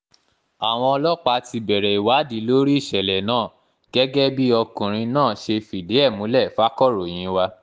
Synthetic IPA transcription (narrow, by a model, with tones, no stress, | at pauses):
a˨w̃ɔ̃˧ɔ˧lɔ˦k͡pa˧tʰi˧bɛ˨ɾɛ˨i˨wa˨˦di˨˦lo˦ɾi˦i˦˨ʃɛ˨lɛ˨nãː˦˨ | ɡ̥ɛ˦ɡɛ˦bi˦ɔ˧kũ˨ɾ̃ĩ˧nãː˦˨ʃe˧fi˨de˨˦ɛ˦˨mũ˨˦lɛ˦˨fa˦kɔ˦ɾo˨j̃ĩ˨˦wa˧